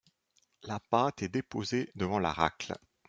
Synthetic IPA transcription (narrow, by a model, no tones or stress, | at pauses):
lapat̪ɛd̪epozed̪əvɑ̃la̰ʁa̰kl